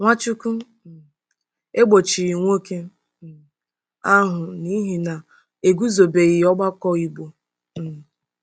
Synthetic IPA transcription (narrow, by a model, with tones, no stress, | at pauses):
ŋʷa˦t͡ʃu˦ku˦˨ | e˦ɡ͡bo˨t͡ʃi˨ɾi˨ŋʷo˦ke˦˨ | a˦ɦʊ˨ni˦ɦi˨na˨ | e˨ɡu˦zo˨be˨ɣi˨˦ɔ˦ɡ͡ba˦kɔ˦i˨ɡ͡bo˨